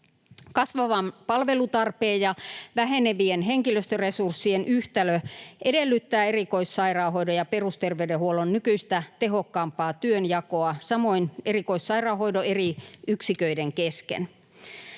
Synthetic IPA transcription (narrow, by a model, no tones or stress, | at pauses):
kɑsʋɑʋɑmpɑlʋelut̪ɑrpeːjjɑʋæɦeneʋienɦeŋkiløst̪øresursːienʔyht̪æløʔedelːyt̪ːæːerikoisːɑirɑːɦoidojɑperust̪erʋeydehuolonnykyist̪æt̪eɦokːɑːmpɑːt̪yønjɑkoɑsɑmoinerikoisːɑirɑːhoidoeriyksikøideŋkeskḛn